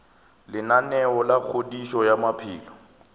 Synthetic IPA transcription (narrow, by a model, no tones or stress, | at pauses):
lɪnanɛɔlak͡xʰodiʃɔjamapʰḭːlɔ